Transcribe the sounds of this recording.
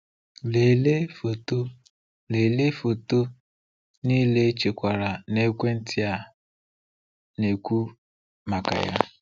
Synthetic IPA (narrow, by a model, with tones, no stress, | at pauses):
le˨le˦fo˨to˦ | le˨le˦fo˨to˦ | ni˦le˦t͡ʃe˨kʷa˨ɾa˨ne˦kʷe˦n̩˦tɪ˦a˦ | ne˨kʷu˦ | ma˨ka̰˨ja̰˦